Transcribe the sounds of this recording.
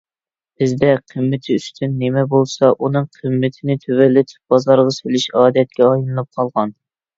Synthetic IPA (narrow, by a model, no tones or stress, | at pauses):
b̥ɪzd̪ɛqʰəmːɪt̪ʰɪyst̪ʰynːemɛbolˠsɑʔunɨŋqʰəmːɪt̪ʰɪnɪt̪ʰøvɛlːɪt̪ʰb̥ɑzɑɾʁɑsølyʃɑːd̪ɛt̪̚kʲɛɑjnˠɨnɨp̚qʰɑlˠʁɑn